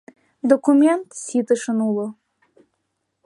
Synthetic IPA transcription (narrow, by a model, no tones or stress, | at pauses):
d̪ɔkumʲɛnt̪sʲit̪əʃɤnulˠo